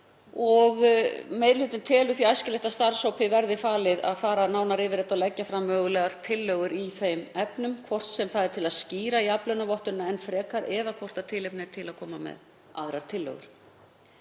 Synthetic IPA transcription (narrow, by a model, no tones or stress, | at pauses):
ɔɣmeːjðɾɪlʏːt̪ɪnt̪ʰɛːlʏθiajscɪlɛht̪ast̪aɾsowpʰɪvɛɾðɪfaːlɪða̰ðfaːɾanaːwnaɾɪvɪɾɛt̪alɛcːafɾamːœːɣʏlɛɣaɾ̥t̪ʰɪlːœɣʏɾiθejmɛpnʏmkʰvɔr̥t̪sɛmθaðɛɾt̪ʰɪlaðsciːɾaiaplœnavɔht̪ʏnaɛnfɾɛːkaɾɛðakʰvɔr̥t̪at̪ʰɪlepnɪ̥t̪ʰɪlaðkʰɔːmamɛ̰ð | a̰ðɾaɾ̥t̪ʰɪlːœ̰ɣʏ̰ɾ̥